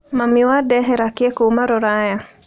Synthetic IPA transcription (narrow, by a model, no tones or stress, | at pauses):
mamiwadɛɦɛɾakjekomaɾɔɾaja